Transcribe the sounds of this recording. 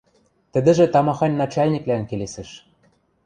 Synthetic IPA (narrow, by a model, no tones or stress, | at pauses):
t̪ɘ̆d̪ɘ̆ʒĕt̪ɑmɑxɑnʲːɑt͡ɕɑlʲnʲiklænkelesɘ̆ʃ